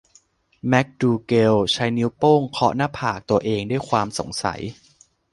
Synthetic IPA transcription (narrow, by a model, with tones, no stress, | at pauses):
mɛ˦˥k̚duː˧ke˧wt͡ɕʰa˦˥jni˦˥wpoː˥˩ŋkʰɔ˦˥naː˥˩pʰaː˨˩k̚t̪u˧ɐʔeː˧ŋdu˥˩jkʰwaː˧mso̰˨˩˦ŋsa̰˩˦j